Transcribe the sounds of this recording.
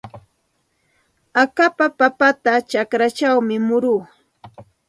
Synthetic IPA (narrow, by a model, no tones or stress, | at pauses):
akapapapat̪at͡ʃakɾat͡ʃawmɪmʊɾuː